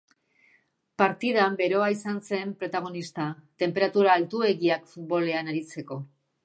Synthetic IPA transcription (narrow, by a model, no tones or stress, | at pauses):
paɾt̪iðambe̞ɾo̞aisanse̞mpɾo̞t̪aɣ̞o̞nist̪at̪e̞mpe̞ɾat̪uɾaːlt̪ue̞ɣiakfut̪̚bo̞le̞anaɾit͡se̞ko̞